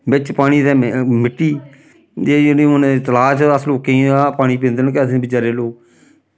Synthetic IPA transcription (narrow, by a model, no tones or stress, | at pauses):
bɪt͡ʃpaːɽ̃iːd̪ɛːmɪʈːiː | d͡ʒeːd͡ʒɪnĩonẽt̪əlaːt͡ʃəsloːkẽːaːpaːɽ̃iːpẽnd̪ənkɛːsbɪt͡ʃaːɾeːloː